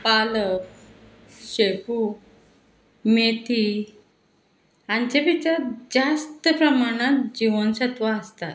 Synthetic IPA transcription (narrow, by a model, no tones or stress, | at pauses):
paləf | ɕepu | met̪ʰi | ant͡ɕapit͡ɕad͡zast̪əpɾəmaɽ̃at̪d͡ʑiʋənɕət̪ʋaəst̪at̪